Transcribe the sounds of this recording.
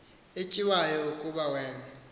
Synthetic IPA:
et͡ʃʼiwajɔukʼuɓawɛːna

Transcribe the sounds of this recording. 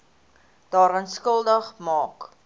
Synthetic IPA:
d̥ɑːɾɐnskəlˠdəχmɑːk

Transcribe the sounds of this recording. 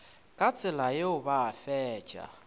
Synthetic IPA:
kʼat͡sʼɪlajeʊbaːfɛ̥ːt͡ʃʼa̰

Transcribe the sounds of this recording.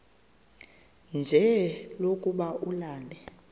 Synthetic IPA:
nd͡ʒʱɛlokʼuɓaʔulaːlɛ

